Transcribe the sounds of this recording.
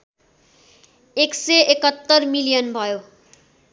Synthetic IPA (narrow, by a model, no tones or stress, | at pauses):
ekseekʌt̪ːʌrmilijʌnbʱʌjo